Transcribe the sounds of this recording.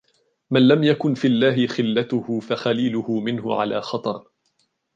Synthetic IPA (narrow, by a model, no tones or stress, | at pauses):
manlamjakʊnfiːʔalːaːɦɪxɪlːat̪ʊhʊːfaxaliːlʊhʊmɪnɦʊʕa̰la̰ːxɑt̪ˤɑɾˤ